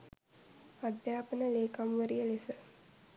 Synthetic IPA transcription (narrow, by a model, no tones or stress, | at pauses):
ad̪jaːpənəleːkamʋəɾijəlesə